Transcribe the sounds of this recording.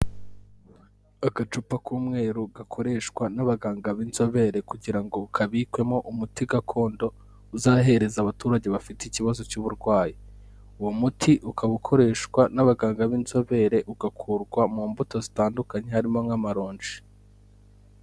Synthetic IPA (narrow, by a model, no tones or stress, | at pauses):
aɡat͡ʃupakuːmŋe̞ːɾuɡakʰo̞ɾe̞ʃkwanaβaɡaːŋɡaβinzo̞βe̞ɾe̞kuɟiɾaŋɡo̞ukʰaβikwe̞mo̞ʔumutiɡakʰo̞ːndo̞ | uzaːɦe̞ɾe̞zaːβatuɾaɟe̞βafiteiciβazo̞cuβuɾɡwaːji | uwomutʰiʔukaβukʰo̞ɾe̞ːʃkwanaβaɡaːŋɡaβinzo̞βe̞ɾe̞ʔuɡakʰuɾɡwamuːmbuto̞zitaːndukaɲe̞haɾimo̞ŋamaɾo̞ːnʒi̥